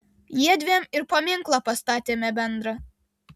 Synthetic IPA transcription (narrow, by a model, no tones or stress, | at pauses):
jiɛd̪ʲʋʲeːmɪɾpɐmʲɪŋklˠɐpɐst̪ɑːt̪ʲeːmʲɛbʲɛnd̪ɾɐ